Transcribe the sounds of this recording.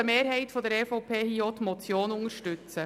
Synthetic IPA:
əmeːɾɦɛɪtfɔdəɾɛfɔʊpʰeːhiːot̪mɔt͡sjoːnʊŋəɾʃtʏt͡sə

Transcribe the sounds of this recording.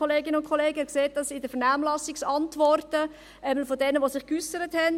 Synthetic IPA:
oleːɡɪnəʊntkʰχɔleːɡəɛkseːt̚d̥ɑsɪdəfəɾnaːmlɑsɪksɑntʋɔrtə | ɛbl̩fodɛnəʋosɪχkysəɾəthɛn

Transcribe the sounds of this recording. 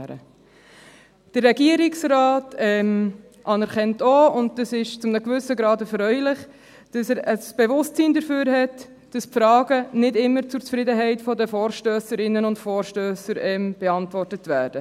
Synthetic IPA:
ɾə̰ | d̥ərːɛɡiəɾɪksɾɑːtʰɛm | ʔɑnɛɾχɛntoʊnd̚d̥ɑsɪʃt͡sʊmnəkvʏsəɡɾɑːdəfɾœʏlɪχ | d̥ɑsəɾəsb̥evʊstt͡siːndəɾføːɾɦɛt | d̥ɑspfɾɑːɡənɪdɪmːəɾt͡sʊɾt͡sfɾɪdəɦɛɪtfɔdəfoːɾʃtøːsəɾɪnːənʊntfɔːɾʃtøːsəɾɛmb̥eɑntʋɔrtətvæːɾd̥ə

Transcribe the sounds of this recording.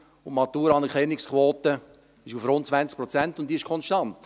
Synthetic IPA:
ʊmɑt̪uːɾɑnəkʰɛnːɪkskʰʋoːtə | ɪʃufrʊntt͡svænt͡sk̚pɾɔt͡sɛntʊntd̥̪iːɪʃkʰɔnsʃtɑnt

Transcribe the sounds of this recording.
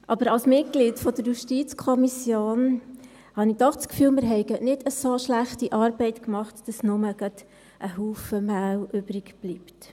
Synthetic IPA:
ʔɑb̥əɾɑlsmɪt̚ɡ̥lidfɔd̪əɾjuʃtit͡skʰɔmisjoːn | hɑnid̥̪ɔχskfyːlmɪɾɦɛɪɡənɪd̥əsoʃlæχtiʔɑːɾbɛɪtkmɑχtd̥ɑsnʊməɡ̥ɑt | ʔəɦuːfəmæwʔʏb̥ɾɪɡb̥lipt

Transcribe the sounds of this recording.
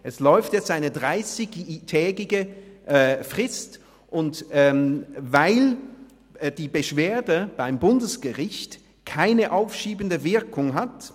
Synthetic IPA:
ʔɛslɔʏftjɛt͡staɪnədʁaɪsɪçtʰɛːɡɪɡəʔɛfʁ̥ɪst | ʔʊntɛvaɪl | d̥iːbəʃv̥eːɐdəb̥aɪmbʊndəsɡ̥əʁɪçt | kʰaɪnəʔaʊfʃiːbən̩dəvɪɐkʰʊŋɦat

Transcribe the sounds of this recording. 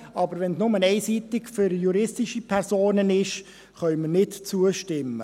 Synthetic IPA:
ɑbəɾʋɛnsnʊmənɛɪsiːt̪ɪkfʏɾjuɾɪstɪʃipʰɛɾsoːnənɪʃ | χœʏmənɪtt͡suəʃtɪmːə̰

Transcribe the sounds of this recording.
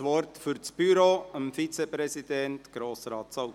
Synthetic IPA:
ʋɔɾtfyɾt͡sb̥yɾoːəmfit͡sɛpɾɛsid̪ɛntɡ̥ɾoːsɾɑːt̪sɑ

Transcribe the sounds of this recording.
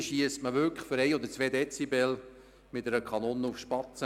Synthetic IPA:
ʃiəstməʋʏkfʏɾɛɪɔd̪əɾt͡sʋɛːd̪ɛt͡sibɛl | mɪtɛɾəkʰχɑnɔnufʃpɑt͡sə

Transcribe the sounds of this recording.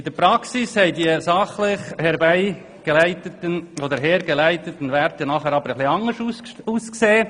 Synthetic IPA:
ɪd̪əɾpɾɑksishɛɪdiəsɑχlɪχhɛɾbæɪ | ɡ̥elæɪt̪ətənod̪əɾɦɛːɾɡelæɪt̪ətən̩ʋvæɾtənɑχɛɾɑb̥əɾəχlɪɑŋəʃuuːskseː

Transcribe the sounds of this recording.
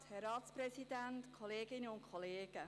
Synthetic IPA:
hɛɾɑːtsprɛsidæntkʰɔleːɡɪnəʊnkʰɔleːɡ̥ə

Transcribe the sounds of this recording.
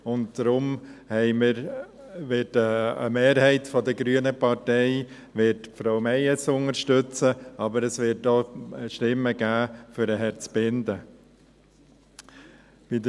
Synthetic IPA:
ʊntd̥ɾʊmhɛɪməɾ | ʋɪtəə̰meːɾhɛɪtfɔdəɡɾyənəpɑɾtɛɪ | ʋɪtfɾoʊmɛɪjət͡sʊnəɾʃtʏt͡səɑbəɾəsʋɪtoʃtɪmːəɡ̥æːfʏɾəɦɛɾt͡sb̥ɪndə | b̥idə

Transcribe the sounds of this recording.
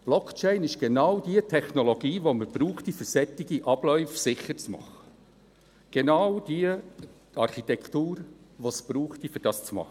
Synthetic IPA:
b̥lɔkt͡ʃɛɪnɪʃɡ̥enɑwd̥iətʰɛχnoloɡ̥iːʋoməb̥ɾuːχtifʏɾsɛt̪ɪɡiʔɑb̥lœʏfsɪχət͡smɑ̰χə̥ | ɡ̥enɑʊd̥iə | ɑɾχit̪ɛktuːɾʋosb̥ɾuːχtifʏɾd̥ɑːst͡smɑ̰χ

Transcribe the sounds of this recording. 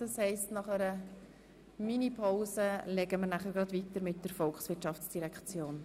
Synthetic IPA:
d̥ɑshɛɪstnɑχəɾə | minipʰaʊsəlɛɡəməɾnæχəɾɡ̥ɾɑdvit̪əɾmɪt̚d̥əɾfɔlksʋɪɾtʃɑft͡sd̥iɾɛkt͡sjoːn

